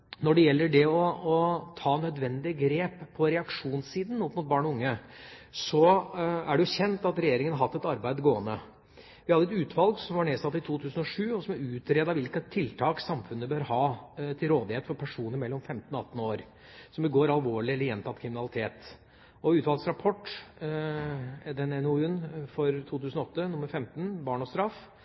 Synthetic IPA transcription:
nɔɖɛjɛlːəɖɛɔɔt̪ʰɑːnœd̪ʋɛnd̪ɪəɡɾeːpʰːɔɾɛɑkʂuːnsiːd̪n̩ɔpmuːt̪̚bɑːɳɔʊŋːəsɔæɖɛjʊɕɛnt̪ɑt̪ɾɛjeːɾɪŋənhɑɾɦɑt̪ːɛt̪ɑɾbæɪd̪ɡoːənə | ʋɪhɑd̪əɛt̪ʉːt̪ʰʋɑlɡsɔmʋɑɳeːsɑt̪ːɪt̪ʰuːt̪ʰʉːsn̩ɔʂʉːɔsɔmæɾʉːt̪ɾeːd̪ɑʋɪlkət̪ʰːɪlt̪ʰɑːksɑmfʉnːəbøːɾhɑːt̪ʰɪlɾoːd̪ɪheːt̪fɔɾpʰæʂuːnəɾmɛlːɔmfɛmt̪nɔɑt̪ːn̩oːɾ | sɔmbəɡoːɾɑlʋoːɭɪɛlːəɾjɛnt̪ʰɑt̪ːkʰɾɪmɪnɑlɪt̪ʰeːt̪ | ɔʉːt̪ʋɑlˠɡsɾɑpʰɔʈː | d̪ɛnɛnuʉnfɔɾt̪ʰuːt̪ʰʉːsnɔɔt̪ːənʊməɾfɛmt̪n̩bɑːɳɔst̪ɾɑfː

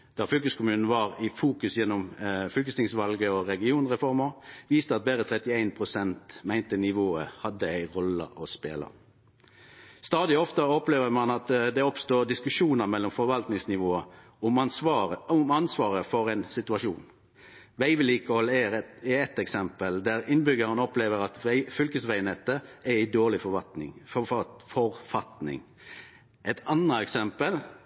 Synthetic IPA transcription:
d̪̥ɑfʏlkʉskʰʊmʉːnn̩ʋɑɾɪfuːkʉsjɛnːɔmfʏlkəst̪ɪŋsʋɑlɡəɔɾɛɡɪuːnʁɛfɔɾməɾʋiːst̪əɑt̪̚beːɾət̪ʰʁɛt̪ɪæɪnpʰʁʊsɛnt̪mæɪnt̪ənɪʋoːəhɑd̪ːəæɪʁɔlə̰ʔɔspḛːlə̰ | st̪ɑːd̪ɪɔft̪əɔpleːʋəmɑnɑt̪d̪ɛɔpst̪oːd̪ɪskʉʂuːnəmɛlːɔmfɔɾʋɑlt̪nɪŋsnɪʋoːə | ʊməʊmɑnsʋɑːʁəfɔɾɛɪnsɪt̪ʉɑʂuːn | ʋæɪʋɪliːkəhɔlːəɛɛɛt̪ɛksɛmpəld̪æʁɪnbʏɡəʁənɔpleːʋəɾɑt̪ɪfʏlkəsʋæɪnɛt̪ːəæɾɪd̪oːʁlɪfɔʋɑt̪nɪ̰ŋfɔfɑfɔʁfɑt̪nɪ̰ŋ | ʔɛt̪ʰɑnəɛksɛmpəl

